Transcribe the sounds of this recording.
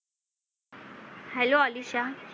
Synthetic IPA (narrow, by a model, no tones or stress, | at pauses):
hɛloəliɕa